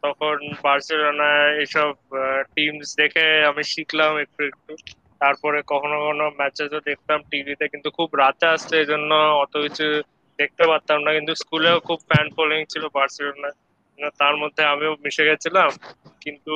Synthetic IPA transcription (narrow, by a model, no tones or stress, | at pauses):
t̪ɔkʰonbaɾselonaeeʃɔb̚ʈimsd̪ekʰeamiʃiklamek̚ʈuek̚ʈu | t̪aɾpɔɾekɔkʰonokonomɛt͡ɕed͡ʑod̪ek̚ʰt̪amʈivit̪ekint̪ukʰubɾat̪east̪eed͡ʑonːoɔt̪okit͡ɕʰu | d̪ek̚t̪epaɾt̪ammnakint̪uskuleokʰubfɛnpoliŋt͡ɕʰilobaɾselonae | at̪aɾmod̪ʱːeamiomiʃeɡɛt͡ɕʰilamkint̪u